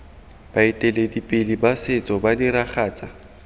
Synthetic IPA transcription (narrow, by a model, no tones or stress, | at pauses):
b̥aitʼɛledipʼɪlibasɪt͡sʼɔbadiɾaχaːt͡sʼa